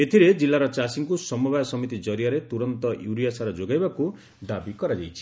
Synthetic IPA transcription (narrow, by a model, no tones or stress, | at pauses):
et̪ʰiɾed͡ʒilːaɾʌt͡ʃasiŋkusʌmɔbajsʌmit̪id͡ʒʌɾijaɾet̪uɾʌnt̪ʌjuwɾijasaɾʌd͡ʒoɡajbako | d̪abikʌɾad͡ʒajt͡ʃʰi̥